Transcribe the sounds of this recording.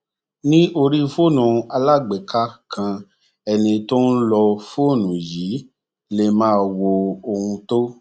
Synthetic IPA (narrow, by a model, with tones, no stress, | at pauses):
nĩ˦ʔo˧ɾi˦fo˦˨nũ˨a˧la˦˨ɡ͡bɛ˨kʰa˦kʰã˧ | ɛ˧nĩ˧to˦n̩˦lɔ˧fo˦˨nũ˨jiː˨˦ | le˧mãː˦˧wo˧o˧hũ˧to˦